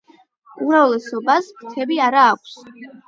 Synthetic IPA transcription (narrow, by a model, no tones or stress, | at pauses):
umɾavlɛsɔbasmt̪ʰɛbiaɾaːkʷʰs